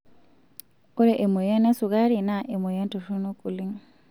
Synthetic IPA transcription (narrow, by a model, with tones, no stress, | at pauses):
o˦ɾɛ˨ʔe˨mo˨ja˦na˦su˨ɣa˦ɾi˨na˨ʔe˨mo˨ja˦nto˨to˦no˦kʼu˨li˦ŋ